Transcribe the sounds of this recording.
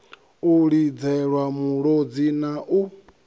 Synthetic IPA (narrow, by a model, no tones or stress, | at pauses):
uɺid͡zɛɺwamuɺɔd͡zinaʔu